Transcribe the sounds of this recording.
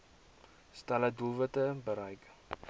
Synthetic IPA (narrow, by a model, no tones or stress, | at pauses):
staləduvətəbəɾɐjk